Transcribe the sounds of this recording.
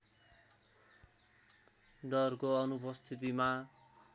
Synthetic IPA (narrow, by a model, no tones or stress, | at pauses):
ɖʌrkoʌnupʌst̪ʰit̪ima